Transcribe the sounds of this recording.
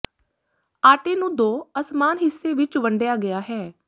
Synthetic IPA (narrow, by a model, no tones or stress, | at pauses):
aːʈeːnũːd̪oːəsmaːnɦɪsːeːʋɪt͡ʃʋəɳɖjaːɡɪjaːɦɛː